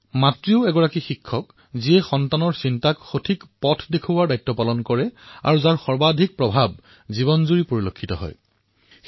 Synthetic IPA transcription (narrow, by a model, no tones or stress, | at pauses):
matɹiʊɛɡɔɹakixikʰːɔk | ziɛxɔntanɔɹsintakxotʰikpɔtʰdekʰubaɹdajtːɔpalɔnkɔɹɛa̰ɹuzaɹxɔɹbadʱik̚pɹɔbʱab̚ | zibɔnzuɹipoɹilokʰːitɔ̰ɦɔ̰j